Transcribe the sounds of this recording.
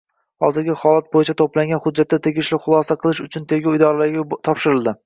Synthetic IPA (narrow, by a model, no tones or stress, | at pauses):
hɒ̰zɪɾɡʲɪhɒlat̪̚bojɪt͡ʃʰat̪ʰoplaŋɡʲanhʊd͡ʒːat̪ʰːat̪ʰe̞ɡʲɪʃlɪχʊlˠɒsaqʰɨlˠɪʃʊt͡ʃʰʊnt̪ʰe̞ɡʲaʊjd̪ɒɾlaɾɡʲat̪ʰɒpʃɪɾɪlˠd̪ɪ